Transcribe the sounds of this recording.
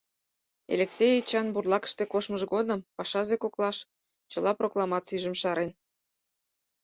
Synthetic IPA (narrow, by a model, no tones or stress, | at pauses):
ḛlʲeksʲejit͡ɕɑnburlˠɑkə̥ʃt̪ekoʃməʒɡod̪əmpɑʃɑzekoklˠɑʃ | t͡ɕəlˠɑproklˠɑmɑt̪t͡siʒə̆mʃɑɾen